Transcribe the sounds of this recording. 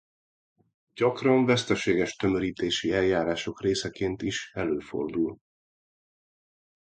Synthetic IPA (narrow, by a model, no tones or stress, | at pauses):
ɟɒkrɒɱvɛst̪ɛʃeːɡɛʃt̪ø̞møɾiːt̪eːʃiɛljaːɾaːʃo̞kreːsɛkeːnt̪iʃɛløːfo̞̰rd̪ul